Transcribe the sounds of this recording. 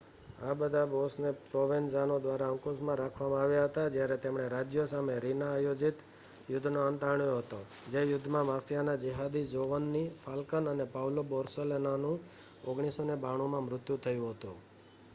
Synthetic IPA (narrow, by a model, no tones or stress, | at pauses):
abəd̪ʱabosnepɾoʋenzanod̪ʋaɾaə̃ŋkosmãɾakʰʋamãaʋjaɦət̪ad͡ʒjaɾɛt̪emɳ̃eɾad͡ʒjosameɾinaːjod͡ʒit̪ | jʊd̪ʱːnoənt̪aɳjoɦət̪od͡ʒejʊd̪ʱːmãmafʰijanad͡ʒəɦad̪id͡ʒoʋənːifʰalkənənepawlobɔɾselenanũ | oɡɳ̃isonebaɽ̃omãmɾʊt̪jut̪ʰəjũɦət̪ṵ̃